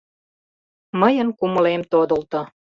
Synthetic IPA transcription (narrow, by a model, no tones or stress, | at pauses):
məjənkuməlemt̪od̪ə̆lt̪o